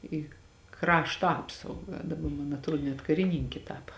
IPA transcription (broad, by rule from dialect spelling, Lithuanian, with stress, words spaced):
iː ˈkrɑːʃtoː ˈɑːpsɐʊɡɐ dɐˈbɐ mɐn ɐtˈruɔ nʲɛt kɐrʲɪˈnʲiːŋʲkʲɪ ˈtɑːpɐ